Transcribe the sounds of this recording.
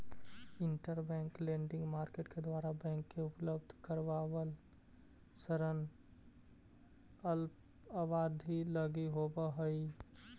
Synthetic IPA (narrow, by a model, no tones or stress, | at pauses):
ɪɳʈəɾbɛ̃ŋklẽɳɖɪ̃ŋɡmaɾkeʈked̪ʋaɾabɛ̃ŋkːeupləbd̪ʱkəɾʋaʋəl | səɾən | əlp | əbad̪ʱiləɡiɦobəɦəi